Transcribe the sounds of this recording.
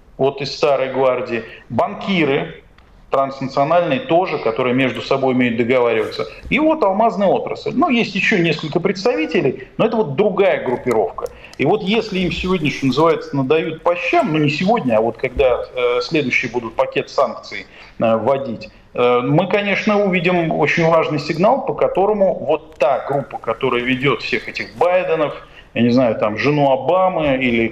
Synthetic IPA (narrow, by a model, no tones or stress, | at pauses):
vo̞t̪ɪst̪aɾəjɡvardʲɪːbɐnkʲiɾɨ | t̪ɾɐnsnət̪sɨɐnalʲnɨjt̪o̞ʐɨkɐt̪o̞ɾɨjəmʲe̞ʐd̪ʊsɐbo̞jʊmʲejʊt̪̚d̪əɡɐvaɾʲɪvət̪səjɪvo̞t̪ɐlˠmaznɨjo̞t̪ɾə̰sɨlʲnujesʲtʲjɪɕːonʲeskəlʲkəpɾʲɪt̪st̪ɐvʲitʲɪlʲɪjno̞ɛt̪əvo̞t̪̚d̪ɾʊɡajəɡɾʊpʲːɪɾo̞fkə | ivo̞t̪jesʲlʲɪimsʲɪvo̞dʲnʲɪʂonəzɨvajɪt̪sənəd̪ɐjut̪̚pɐɕːamnunʲɪsʲɪvo̞dʲnʲəɐvo̞t̪kɐɡ̚d̪asʲlʲe̞d̪ʊjɕːɪjəbud̪ʊt̪̚pɐkʲe̞t̪sank̚t̪sɨɪ | əvɐdʲitʲ | mɨkɐnʲe̞ʂnəʊvʲidʲɪmot͡ɕɪnʲvaʐnɨjsʲɪɡnalˠpəkɐt̪o̞ɾəmʊvo̞t̪ːaɡɾupːə̥kɐt̪o̞ɾəjəvʲɪdʲo̞t̪fsʲe̞xɛtʲɪxbajd̪ənəf | janʲɪznajʊt̪amʐɨnuɐbamɨilʲɪ